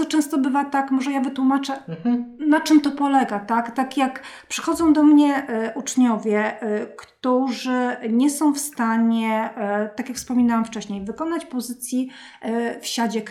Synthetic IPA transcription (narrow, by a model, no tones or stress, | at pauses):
ɔt͡ʂɛ̃w̃st̪ɔbɘvat̪akmɔʐɛjavɘt̪wumat͡ʂɛnat͡ʂɘmt̪ɔpɔlɛɡat̪akt̪akjakpʂɘ̥xɔd̪zɔ̃w̃d̪ɔmɲɛʔʔut͡ʂɲɔvʲjɛkt̪uʐɘɲɛsɔ̃w̃fst̪aɲɛt̪akjakfspɔmʲinawamft͡ʂɛɕɲejvɘkɔnat͡ɕpɔzɘt̪sʲji | fɕad͡ʑɛk